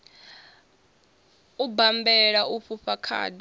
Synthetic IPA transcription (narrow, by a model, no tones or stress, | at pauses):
ubambɛɺauɸuɸakʰa̰ːdi